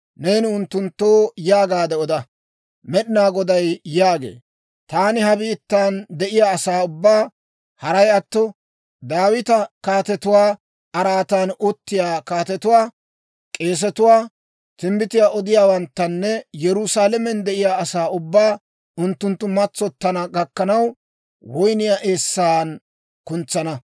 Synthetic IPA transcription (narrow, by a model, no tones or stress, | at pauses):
ne̞ːnɪʊnt̪ːʊnt̪ːoːjaːɡaːd̪ɛɔd̪ɐ | mɛɗɪnaːɡɔd̪ɐjːaːɡḛː | t̪aːnɪhɐbiːt̪ːaːnd̪ɛʔɪjaːɐsaːʊbːaː | hɐɾɐjɐt̪ːɔ | d̪aːwɪt̪ɐkaːt̪ɛt̪ʊwaː | ʔɐɾaːt̪aːnʊt̪ːɪjaːkaːt̪ɛt̪ʊwaː | kʼe̞ːs̬ɛt̪ʊwaː | t̪ɪmbɪt̪ɪjaːʔɔd̪ɪjaːwɐnt̪ːɐnːɛjɛɾʊsaːlɛmɛnd̪ɛʔɪjaːɐsaːʊbːaː | ʔʊnt̪ːʊnt̪ːʊmɐt͡sːɔt̪ːɐnɐɡɐkːɐnɐw | wɔjnɪjaːʔe̞ːsːaːn | kʊnt͡sːɐnɐ